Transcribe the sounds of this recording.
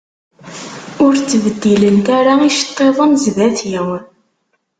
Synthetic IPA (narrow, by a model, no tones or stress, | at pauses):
ʊɾt͡sːvəd̪ːilənt̪aɾaiʃə̥t̪ˤːeðˤəmzvæθjæw